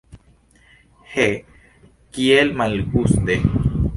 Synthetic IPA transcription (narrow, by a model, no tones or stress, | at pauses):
he | kielmalɡust̪e